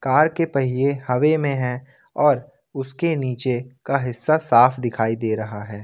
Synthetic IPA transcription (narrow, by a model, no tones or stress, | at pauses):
kaːɾkepɐɦiehɐʋemẽɦɛ̃ | ɔːɾ | ʊskeniːt͡ʃekaɦɪsːasaːfʰd̪ɪkʰaːid̪eːɾɐɦaɦɛː